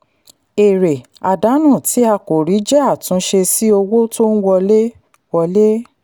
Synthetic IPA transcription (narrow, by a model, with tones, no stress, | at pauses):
e˨ɾe˨ | a˨da˨˦nũ˦˨ti˨˦a˧ko˨ɾi˨˦d͡ʒɛ˦a˦˨tũ˨˧˦ʃe˧si˦o˧wo˦to˦n̩˦wɔ˧le˦ | wɔ˧le˦